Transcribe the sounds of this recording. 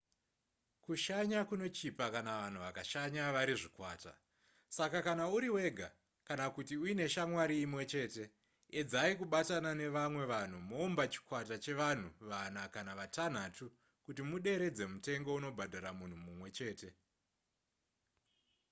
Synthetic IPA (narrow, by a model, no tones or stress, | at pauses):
kuʃaɲakuno̞t͡ʃipakanaʋan̤uʋakaʃaɲaʋaɾiʐikwa̰ːta̰ | sakakanauɾiwe̞ɡʱa̰ | kanakutiuine̞ʃamwaɾiːmwe̞t͡ʃe̞ːte̞ | ed͡zaikuɓatanane̞ʋamwe̞ʋan̤umo̞ːmbat͡ʃi̥kwatat͡ʃe̞ʋan̤uʋanakanaʋatan̤atu | kutimuɗe̞ɾe̞d͡ze̞mute̞ŋɡo̞uno̞bʱadʱaɾamun̤umumwe̞t͡ʃe̞ːte̞